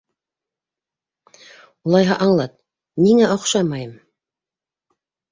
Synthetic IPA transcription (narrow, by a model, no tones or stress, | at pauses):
ulˠɑjɦɑʔɑɴlˠɑt̪̚ | niŋæŏqʃɑmɑjɤm